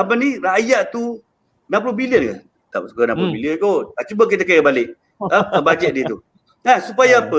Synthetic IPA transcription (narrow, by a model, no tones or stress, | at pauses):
apaniraʔjaʔt̪u | nampulobiliənka | t̪ap̚sukanãmpulobiliənkoat͡ʃubək̬it̪̬akajəbalɪʔ | ət̪əbad͡ʒɛʔ̚diət̪u | ansupajapə